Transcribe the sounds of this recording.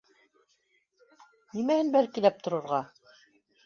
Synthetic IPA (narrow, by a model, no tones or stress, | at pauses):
nimæhɘnbælkilæp̚t̪ŏɾŏɾʁɑ